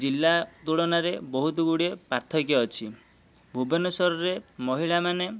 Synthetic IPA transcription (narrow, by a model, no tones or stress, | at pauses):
d͡ʒilːat̪uɭɔnaɾebɔɦut̪ɔɡuɽiepaɾt̪ʰɔkjɔːt͡ʃʰi | bʱubɔnɔsɔɾɔɾemɔɦiɭamane